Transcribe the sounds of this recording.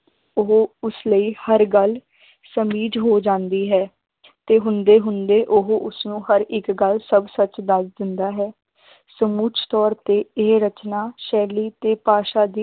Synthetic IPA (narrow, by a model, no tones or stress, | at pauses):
ʊɦoːʊsləiːhəɾɡəl | səmiːd͡ʒɦoːd͡ʒãːnd̪iːɦɛː | t̪eːɦʊnd̪eːɦʊnd̪eːʔʊɦoʔʊsnũːhəɾɪkɡəlsəbsət͡ʃd̪əsd̪ɪnd̪aːɦɛː | səmuːt͡ʃʰt̪ɔːɾt̪eːeːɾət͡ʃnaːʃɛːliːt̪eːpaːʃaːd̪iː